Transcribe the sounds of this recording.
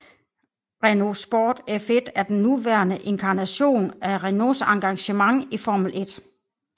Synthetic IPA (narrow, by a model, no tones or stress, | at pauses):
ʁeno̝sb̥ɒːd̥efed̥æɐd̥enːuʋæɐnəʔe̝nkʰɑ̈næɕo̝̰ːnæʁeno̝sɑ̈ŋɡ̥ɑ̈ŋɕəmɑ̈ŋifɒːmulʔe̝d̥